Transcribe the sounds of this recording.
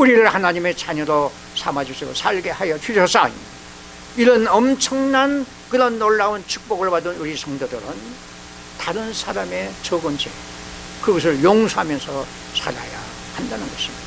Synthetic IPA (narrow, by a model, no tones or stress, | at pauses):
uɾiɾɯɭhanaɲime̞t͡ɕaɲʌɾo | sʰamad͡ʑusʰeo̰sʰaɭɡe̞hajʌt͡ɕʰɥid͡ʑʰʌs͈ʰaḭ | iɾʌnʌmt͡ɕʰʌŋnan | kɯɾʌnːoɭːaunt͡ɕʰu̥k̚p͈ʌɡɯɭpadɯnuɾisʰʌŋdodɯɾɯn | taɾɯnsʰaɾame̞t͡ɕʌɡʌnt͡ɕʰḛ | kɯɡʌs̬ʰɯɭjoŋsʰoɦamjʌnsʰʌ | sʰa̰ɾa̰ja̰ | handanɯnɡʌɕʰimid̥a